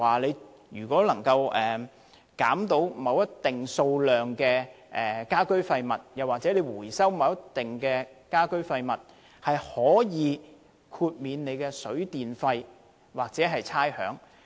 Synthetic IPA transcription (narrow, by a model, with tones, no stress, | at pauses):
waː˨˩le˨˧j | ɥyː˨˩kʷɔː˨˥lɐ˨˩ŋkɐ˧wɛː˨ | kaː˨˥mt̪o˨˥wmɐ˨˧wjɐ˥t̪ːɪ˨ŋso˧wlœː˨˩ŋkɛː˧ | ʔɛː˨kaː˥kɵ˥ɥfɐ˧jmɐ˨t̚jɐ˨˩waː˨t͡sɛ˨˥le˨˧jwuː˨˩jsɐ˥wmɐ˨˧wjɐ˥t̪ːɪ˨ŋkɛː˧kaː˥kɵ˥ɥfɐ˧jmɐ˨˩t̚ | hɐ˨jhɔː˨˥jiː˨˧ | kʰuː˧t̚miː˨˧nne˨˧jkɛː˧sɵ˨˥ɥt̪iː˨nfɐ˧j | waː˨k̚t͡sɛː˨˥ɦɐ˨jt͡sʰaː˥jhœ̰ː˨˥ŋ